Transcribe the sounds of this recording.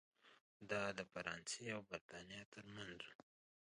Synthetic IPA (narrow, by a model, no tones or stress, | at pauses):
d̪ɑd̪əfaɾɑnseawbaɾt̪ɑnijɑt̪əɾmanzu